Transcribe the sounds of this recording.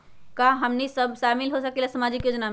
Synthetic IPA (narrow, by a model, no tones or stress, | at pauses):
kaɦəmnisəbʃamɪlɦosəkelasəmad͡ʒikjoːd͡ʒna